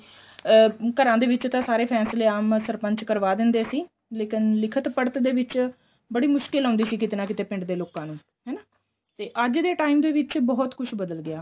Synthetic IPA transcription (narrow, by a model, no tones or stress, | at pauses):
kəɾãːd̪eːʋɪt͡ʃt̪ãːsaːɾeːpʰɛːsleːaːmsəɾpə̃ɲt͡ʃkəɾʋaːd̪ɪnd̪eːsiː | leːkɪnlɪkʰət̪pəɽt̪d̪eːʋɪt͡ʃ | bəɽiːmʊʃkɪlɦõːnd̪iːsiːkɪt̪eːnãːk̬ɪt̪eːpɪ̃ɳɖd̪eːloːkãːnũː | ɦɛːnaː | t̪eːʔəd͡ʒd̪eːʈaːimd̪eːʋɪt͡ʃbɔːt̪kʊʃʰbəd̪əlɡɪjaː